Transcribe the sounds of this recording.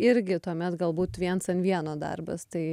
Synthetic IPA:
ɪɾʲɡʲɪt̪uɔmʲɛt̪ɡɐlˠbuːt̪ʋʲiɛnsɐnʋʲiɛnoːd̪ɐ̰rbɐ̰st̪ɐɪ

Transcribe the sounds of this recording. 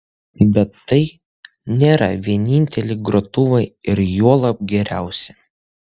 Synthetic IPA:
bʲɛt̪ːɐɪ | nʲeːɾɐ̰ʋʲiɛnʲɪnʲt̪ʲɛlʲɪɡɾot̪ʊʋɐɪɪɾjuɔlˠɐp̚ɡʲɛɾʲæˑʊsʲɛ

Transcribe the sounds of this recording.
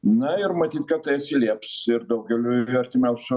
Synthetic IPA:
najɾmɛt̪ʰit̪̚kʼat̪ʰʼɛːt̪sʰiliapsiɾd̪ɔwɡɛluɛɾt̪ʰimaws

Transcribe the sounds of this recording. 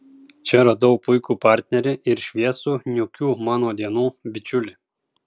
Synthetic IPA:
t͡ʃʲɛɾɐd̪ɐʊpʊɪkuːpɑːɾʲt̪ʲnʲɛɾʲɪʔɪɾʃʲʋʲiɛsuːnʲʊkʲuːmɑːnoːd̪ʲiɛnuːbʲɪt͡ʃʲʊlʲɪ

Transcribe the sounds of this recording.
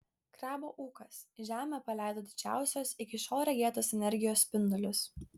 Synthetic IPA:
kɾɑːboːʔuːkɐsʒʲæːmʲɛpɐlʲæˑɪd̪oːd̪ʲɪd͡ʒʲæ̰ˑʊsʲoːsɪkʲɪʃoːɾʲɛɡʲiɛt̪oːsɛnʲɛɾʲɡʲɪjoːspʲɪnd̪ɔlʲʊs

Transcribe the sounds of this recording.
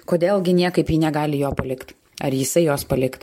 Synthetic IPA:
koːd̪ʲeːlˠɡʲɪnʲiɛkɐɪpjiːnʲɛɡɑːlʲɪjoːpɐlʲɪkt̪ | ɐɾjɪsɐɪjoːspɐlʲɪkt̪

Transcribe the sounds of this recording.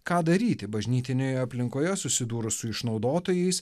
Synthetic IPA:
kɑːd̪ɐɾʲiːt̪ʲɪbɐʒʲnʲiːt̪ʲɪnʲoːjoɐpʲlʲɪŋkoːjɛsʊsʲɪd̪uːɾʊsʊɪʃnɒʊd̪oːt̪oːjɛɪs

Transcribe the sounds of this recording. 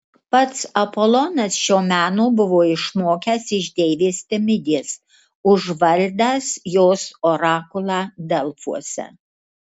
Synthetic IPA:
pɐt̪sɐpolˠɔnɐsʃʲoːmʲæːnoːbʊʋoːɪʃmoːkʲæsɪʒd̪ʲeːʋʲeːst̪ʲɛmʲɪd̪ʲeːs | ʊʒʋɐlʲd̪ʲaːsjoːsoːɾɑːkʊlˠɑːd̪ʲɛlˠfuɔsʲɛ̰

